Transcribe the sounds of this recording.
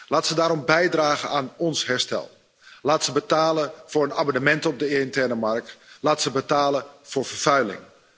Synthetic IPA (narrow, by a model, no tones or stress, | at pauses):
laːtsədaːɾɔmbɛjdraːɣənaːnɔnsɦɛɹstɛ̰lˠ | laːtsəbətaːləv̥ʊːɹənaːmɔnəmɛntəɔb̚dəntɛrnəmark̚tlaːtsəbətaːləv̥ʊːɹvərv̥œɥlɪ̰ŋ